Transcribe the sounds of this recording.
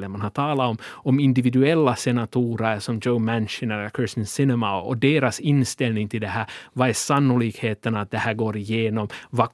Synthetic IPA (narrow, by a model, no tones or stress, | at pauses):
lːəmanhat̪ʰɑːlaɔmɔmɪnd̪ɪvɪd̪ʉɛlːasɛnat̪ʰuːɾəɾʂɔmd͡ʒəʊmɛnʃənəɾkʰɪst̪ənsɪnɛmaɔd̪eːɾasɪnːst̪ɛlnɪŋt̪ʰɪld̪ɛɦæːɾvaɛsanːʊliːkheːt̪ənat̪̚d̪ɛhæːɾɡoːɾɪjeːnɔmva